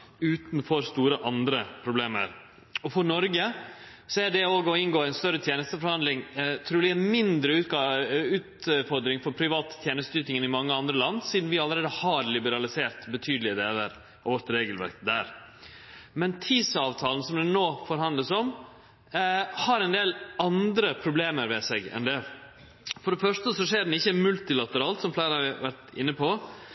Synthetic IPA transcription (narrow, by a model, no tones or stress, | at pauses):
ʉːt̪nfɔɾst̪uːɾəʔɑnd̪ɾəpʰɾʊbleːmə̰ɾ | ɔfɔɳɔɾɡəsɔæɖɛoːɡɔɪnɡoːæɪnst̪œɾət̪ʰjeːnəst̪əfɔɾhɑnd̪lɪŋt̪ʰɾuːɪænmɪnd̪ɾəʉːʉːt̪fɔɾd̪ɾɪŋfɔɾpʰɾɪʋɑːt̪ʰːjeːnəst̪d̪yːt̪ɪŋənɪmɑŋːəɑnd̪ɾəlɑnːsiːd̪n̩ʋɪɑləɾeːd̪əhɑɾlɪbəɾɑlɪseːɾt̪bət̪ʰyːd̪əlɪəd̪eːləɾ | ɔʋɔɾt̪ɾeːɡəlʋæ̰ɾkd̪æ̰ːɾ | mɛnt̪ʰiːsɑːʋt̪ʰɑːlən̩sɔmd̪ɛnoːfɔɾhɦɑnd̪ləsɔm | hɑɾɛnd̪eːlɑnd̪ɾəpʰɾʊbleːməɾʋɛsɛɡɛ̰nd̪ɛ | fɔɖɛfœʂtəsɔʂeːɖɛnɪçːəmʉlt̪ɪlɑt̪əɾɑːlt̪sɔmflæɪɾɑʋæɾʈɪ̰nːəpʰo